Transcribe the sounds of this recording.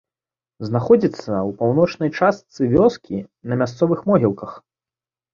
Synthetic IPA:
znaxɔd͡zʲit̪sːɐupawnɔt͡ʂnɐjt͡ʂast̪sɨvʲɔskʲʰinɐmʲast̪sɔvɨxmɔɣʲilˠkɐx

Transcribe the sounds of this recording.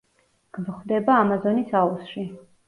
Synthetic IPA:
ɡ̥vχwd̪ɛbaːmazɔnisausʃi

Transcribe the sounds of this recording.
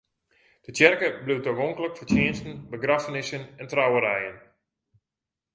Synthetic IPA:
d̥ətjɛrkəbliwtokoŋkləkfərtjɪənstn̩bəɡrafənɪsənɛntrawəɾɛjən

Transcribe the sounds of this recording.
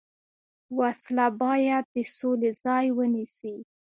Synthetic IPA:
waslabɑjad̪̚ːəsolezɑjwənisi

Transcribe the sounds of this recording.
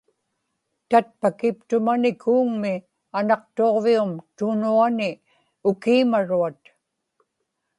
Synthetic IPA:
t̪at̪̚pakɪp̚t̪ʊmanɪkʰuːŋmɪ | anɑq̚t̪oʁviumt̪ʊnuanɪ | ʊkiːmaɻuat̪

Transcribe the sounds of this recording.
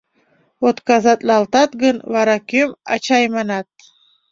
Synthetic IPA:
ot̪kɑzɑt̪lɑlˠt̪ɑt̪ɡənvɑɾɑkʲømɑ̰t͡ɕɑjmɑnɑt̪̚

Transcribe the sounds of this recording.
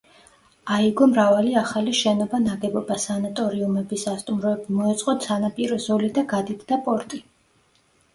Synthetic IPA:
aiɡɔmɾavaliaχaliʃɛnɔbanaɡɛbɔbasanat̪ʼɔɾiumɛbisast̪ʼumɾɔɛbimɔɛt̪sʼqʼɔt̪sʰanapʼiɾɔzɔlid̪aɡad̪it̪ʰd̪apʼɔɾt̪ʼi

